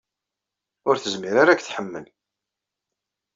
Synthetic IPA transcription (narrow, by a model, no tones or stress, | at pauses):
ʊɾθəzmiɾaɾækθħəmːəl